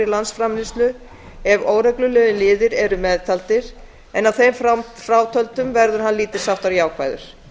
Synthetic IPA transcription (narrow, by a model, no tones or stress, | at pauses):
ilansfɾamlɪst̪lʏ | ɛvoːwɾɛklʏlœːðɪnlɪːðɪɾɛɾʏmɛðt̪ʰalt̪ɪɾ̥ | ɛnavθejmffɾaːwt̪ʰœlt̪ʏmvɛɾðʏɾ̥ɦanliːt̪ɪ̥saft̪aɾjaːwkʰva̰jðʏ̰ɾ̥